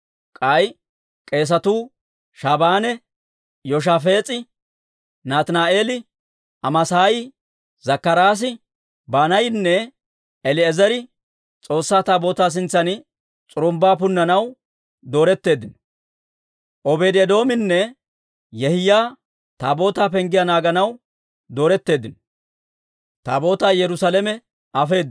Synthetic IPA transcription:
kʼɐj | kʼe̞ːs̬ɐt̪uː | ʃaːbaːnɛ | jɔʃ̬afe̞ːt͡sʼɪ | naːt̪naːʔe̞ːlɪ | ɐmɐsaːjɪ | zɐkːɐɾaːs̬ɪ | baːnɐjɪnːɛ | ɛlɪɛzɛɾɪ | t͡sʼo̞ːsːaːt̪aːbo̞ːt̪aːs̬ɪnt͡sːɐnɪ | t͡sʼʊɾʊmbaːpʊnːɐnɐw | d̪o̞ːɾɛt̪ːe̞ːd̪ːɪnɔ̥ | ʔɔbeːd̪ɛd̪o̞ːmɪnːɛ | jɛhɪjaː | t̪aːbo̞ːt̪aːpɛŋɡɪjanaːɡɐnɐw | d̪o̞ːɾɛt̪ːe̞ːd̪ɪnɔ | t̪aːbo̞ːt̪aːjɛɾʊsaːlɛmɛ | ʔɐfe̞ːd̪ː

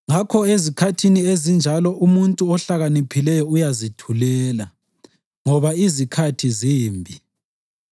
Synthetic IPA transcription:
ŋakʰɔezikʰatʰiniezind͡ʒʱalɔʔumuntʼuɔɬaɣanipʰilɛjɔujazitʰulɛːla | ŋɔβaizikʰatʰiziːmbʱi

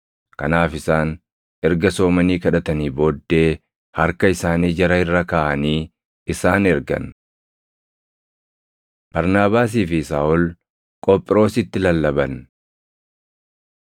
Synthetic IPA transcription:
kɐnaːfɪsaːn | ɛɾɡɐso̞ːmɐniːkɐᶑɐt̪ɐniːboːd̪ːe̞ː | hɐɾkɐɪsaːniːd͡ʒɐɾɐɪrːɐkaːʔɐniː | ɪsaːnɛɾɡɐ̰n | b̥ɐɾnaːbaːs̬iːfɪsaːʔɔl | kʼɔpʼːɪɾo̞ːsɪt̪ːɪlɐlːɐbɐn

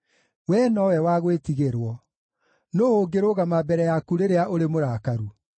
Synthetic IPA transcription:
wɛnɔwɛwaɣwetiɣeɾwɔ | noːoɡeɾoɣamabɛɾɛjakuɾeɾeaʔoɾemoɾaːkaɾu

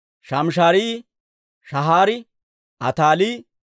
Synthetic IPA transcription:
ʃɐmʃ̬aːɾiː | ʃɐɦaːɾɪ | ɐt̪aːliː

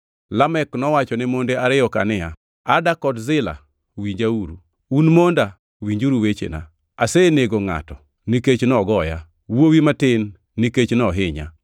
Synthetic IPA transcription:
lamɛknɔwat͡ʃɔnɛmondeaɾɪjɔkanɪa | adakɔdzɪla̰ | wiɲd͡ʒauɾu | unmonda | wiɲd͡ʒuɾuwet͡ʃḛna̰ | aseneɡoŋa̰tɔ | niket͡ʃnɔɡɔja | wowimatɪnː | iket͡ʃnɔɦɪɲa̰

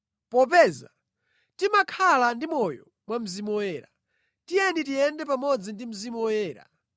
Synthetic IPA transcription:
pɔpɛza | timakʰalandimɔjɔ | mwam̩zimɔwɛːɾa | tijɛnitijɛndɛpamɔd͡zindim̩zimɔwɛːɾa̰

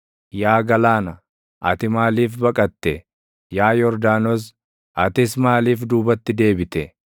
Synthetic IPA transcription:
jaːɡɐlaːnɐ | ʔɐt̪ɪmaːliːfbɐkʼɐt̪ːɛ | jaːjɔɾd̪aːnɔs̬ | ʔɐt̪ɪsmaːliːfd̪uːbɐt̪ːɪd̪e̞ːbɪt̪ɛ

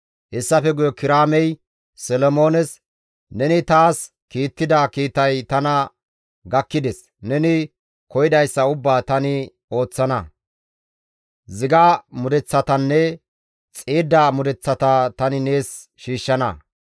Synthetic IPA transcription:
hɛsːɐfɛɡʊjɔkɪɾaːmɛj | sɛlɔmo̞ːnɛs | nɛnɪt̪aːs | kiːt̪ːɪd̪ɐkiːt̪ɐjt̪ɐnɐ | ɡɐkːɪd̪ɛs | nɛnɪ | kɔjɪd̪ɐjsːɐʊbːaːt̪ɐnɪ | o̞ːt͡sːɐnɐ | zɪɡamʊd̪ɛt͡sːɐt̪ɐnːɛ | t͡sʼeːd̪ːamʊd̪ɛt͡sːɐt̪ɐt̪ɐnɪne̞ːs | ʃiːʃːɐnɐ

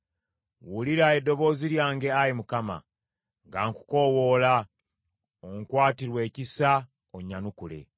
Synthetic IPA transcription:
wuliɾae̞dːo̞βo̞ːziɾjaːŋɡe̞ajimukama̰ | ŋɡaːŋku̥ko̞woːla | oŋkwaːtiɾwe̞ːcisa | oɲanukule̞̰

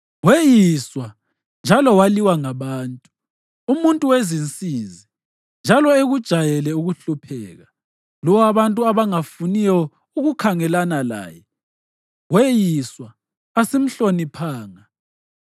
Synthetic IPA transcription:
wejiswa | nd͡ʒʱalɔwaliwaŋaβaːntʼu̥ | umuntʼuwezint͡sʼiːzi | nd͡ʒʱalɔeɣud̥ʒ̥ʱajɛlɛuɣuɬupʰɛ̰ːɣa | lɔwaβantʼuaβaŋafunijɔ | uɣukʰaŋɛlanala̰ːjɛ | wejiswaː | sim̩ɬonipʰaːŋa

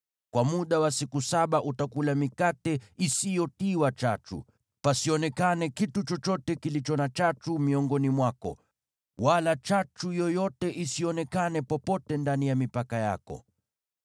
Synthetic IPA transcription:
kwamuɗawasikusaɓaʔutakulamikatɛisijɔtiwat͡ʃat͡ʃṵ | pasiɔnɛkanɛkitut͡ʃɔt͡ʃɔtɛkilit͡ʃɔnat͡ʃat͡ʃumiɔŋɡɔnimwakɔ̰ | walat͡ʃat͡ʃujɔjɔtɛʔisiɔnɛkanɛpɔpɔtɛndanijamipakaja̰kɔ̰

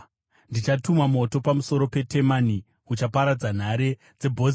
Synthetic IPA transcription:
ndit͡ʃatumamo̞to̞pamuso̞ɾo̞pe̞tʰe̞mani | ut͡ʃapaɾad͡zan̤aɾe̞ | d͡ze̞bʱoz

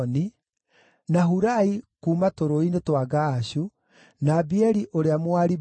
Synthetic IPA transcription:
ni | naɦuɾaikuːmatoɾoinetwaɡaɕu | naːbiɛɾiʔoɾeamwaɾi

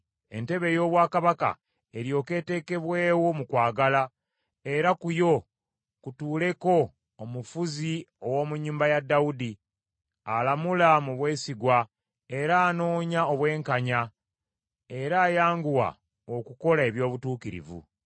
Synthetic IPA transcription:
e̞̰nte̞βe̞jo̞ːβwaːkaβaka̰ | e̞ɾjo̞ːke̞ːte̞ːke̞βwe̞ːwo̞mukwaːɡala | e̞ɾakujo̞ | kutuːle̞ko̞ː | mufuziowo̞ːmuɲːuːmbajadːaudi | a̰lamulamuβwe̞ːsiɡwa | e̞ɾaːno̞ːɲao̞βwe̞ːŋkaɲa | e̞ɾaːjaːŋɡuwa̰ | okuko̞lae̞βjo̞ːβutuːkiɾḭvṵ

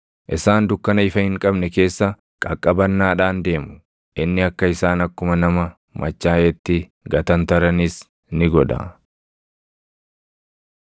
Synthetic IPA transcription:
ʔɪsaːnd̪ʊkːɐnɐɪfɐhɪŋkʼɐbnɛke̞ːsːɐ | kʼɐkʼːɐbɐnːaːᶑaːnd̪e̞ːmʊ̥ | ʔɪnːɪɐkːɐɪsaːnɐkːʊmɐnɐmɐ | mʔɐt͡ʃːaːʔɛt̪ːɪ | ɡɐt̪ɐnt̪ɐɾɐnis | nɪɡɔᶑɐ̰

